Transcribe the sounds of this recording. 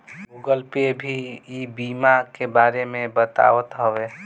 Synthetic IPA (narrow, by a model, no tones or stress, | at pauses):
ɡuɡəlpebʱiibimakebaɾemebət̪a̰ət̪ɦəʋe